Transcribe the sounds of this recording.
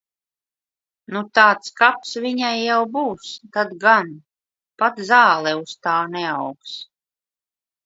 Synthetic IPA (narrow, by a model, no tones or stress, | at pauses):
nut̪aːt̪skapsviɲajːawbuːst̪ad̪ɡan | pat̪zaːlˠɛust̪aːnɛawks